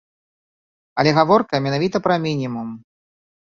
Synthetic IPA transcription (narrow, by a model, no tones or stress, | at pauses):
ɐlʲɛɣavɔrkɐmʲɛnavʲit̪ɐpɾɐmʲinʲimum